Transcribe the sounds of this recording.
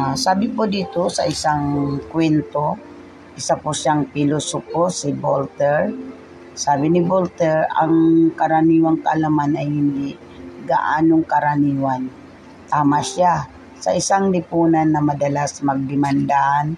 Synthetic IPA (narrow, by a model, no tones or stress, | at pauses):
saːbɪpʊd̪iːt̪osaʔɪsaŋkwɛnt̪o | ʔɪsapʊʃaŋpilʊsʊkosɪbolt̪ɛɹ | saːbɪnɪbolt̪ɛɹa̰ŋkaɾaniːwaŋkaʔalamanajhɪnd̪ɪʔ | ɡaʔa̰ːnoŋkaɾaniːwan | t̪aːmasja | sa̰ʔɪsaŋlɪpuːnanːɐmɐd̪ɐlasmɐɡ̚d̪ɪmand̪aʔan